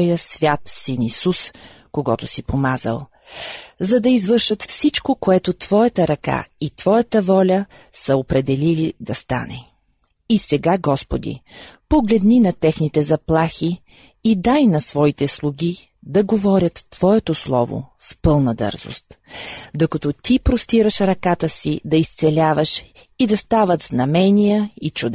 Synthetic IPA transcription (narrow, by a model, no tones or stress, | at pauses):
jəsvʲjat̪sinisus | koɡɔt̪osipomazə̰lˠ | zɐd̪ɐizvɤɾʃət̪fsit͡ʃkokoɛt̪ot̪vɔjət̪əɾɐka̰it̪v̥ɔjət̪əvɔlʲə | səopɾɛd̪ɛlilid̪ɐst̪a̰nɛ̰ | isɛɡaɡɔspod̪ḭpoɡlɛd̪ninɐt̪ɛxnit̪ɛzɐplˠaxiː | d̪ajnɐsvɔit̪ɛslˠuɡʲi | d̪ɐɡovɔɾʲət̪ːv̥ɔɛt̪oslˠɔ̰vo̰spɤlˠnɐd̪ɤ̰ɾzo̰st̪d̪okɐt̪ɔt̪ipɾost̪iɾəʃɾɐkat̪əsid̪ɐist̪sɛlʲavəʃid̪ɐst̪avət̪znɐmɛnʲijəit͡ʃud̪